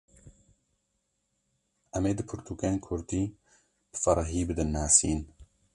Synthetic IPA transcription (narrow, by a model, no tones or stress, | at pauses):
ʔɛmeːd̪ɨpʰɨɾt̪ʰuːkeːnkʰʊɾd̪iː | b̥ɨfɐɾˤɑɦiːbɨd̪ɨnːaːsiːn